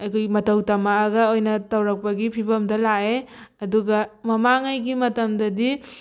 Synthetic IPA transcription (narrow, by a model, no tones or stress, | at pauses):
ɐjkʰojmɐtɐwtɐmaːɡɐojnɐtɐwɾɐk̚pɐɡipʰibɐmdɐlaeɐduɡɐmɐmaŋajɡimɐtɐmdɐdi